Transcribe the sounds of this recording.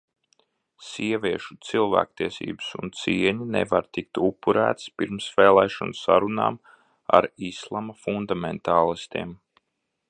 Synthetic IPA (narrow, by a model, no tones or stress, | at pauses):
siɛviɛʃu̥t̪silˠvæ̰ːkt̪iɛsḭːbɨsṵnt̪siɛɲinḛvaɾt̪ik̚t̪upːuɾæːt̪spiɾmsvɛːlˠɛːʃɔnsa̰ɾuna̰ːm | a̰ɾislˠamafund̪ament̪aːlˠist̪iɛm